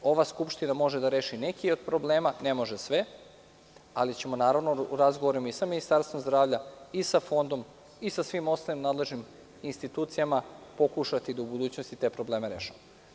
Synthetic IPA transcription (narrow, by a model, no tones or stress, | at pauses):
o̞ʋaskupʃt̪inamo̞ʒed̪aɾe̞ːʃinekio̞d̪pɾo̞ble̞ːmanemo̞ʒesʋe̞ | alit͡ɕemo̞naːɾaʋnoɾazɡoʋoɾimoisaminist̪aɾst̪ʋo̞mzd̪ɾaːʋʎaisafo̞nd̪o̞m | isasʋimo̞st̪alimnaːd̪le̞ʒnim | inst̪it̪uːt̪sijamapo̞kuʃat̪id̪aubud̪uːt͡ɕno̞st̪it̪e̞ːpɾo̞ble̞ːmeɾḛːʃamo